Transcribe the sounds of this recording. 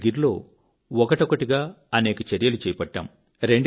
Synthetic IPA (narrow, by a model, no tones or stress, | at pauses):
ɡiɾlo̞ː | ɔkɐʈɔkɐʈiɡaː | ɐneːkɐt͡ʃɐɾjɐlut͡ʃɛːjɐpɐʈːɐ̰m | ɾe̞ɳɖ